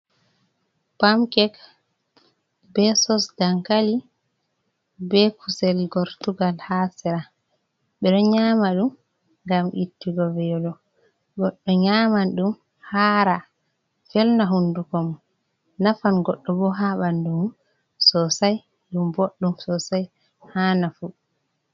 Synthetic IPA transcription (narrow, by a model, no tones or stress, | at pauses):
pamkɛk | bɛsɔsdaŋkali | bɛkʰusɛlɡɔɾtuɡalhasɛɾa | ɓɛɗɔɲamaɗum | ŋɡamʔitːiɡɔvɛjɔlɔ | ɡɔɗːɔɲaːmanɗum | haɾa | fɛlnaɦundukɔm | nafanɡɔɗːɔbɔɦaɓanɗum | sɔsaj | ɗumboɗːumsɔsaj | haːnafu